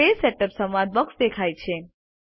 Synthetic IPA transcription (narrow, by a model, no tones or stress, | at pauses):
eseʈəpsəmʋad̪̚bəksd̪ekʰajt͡ʃʰe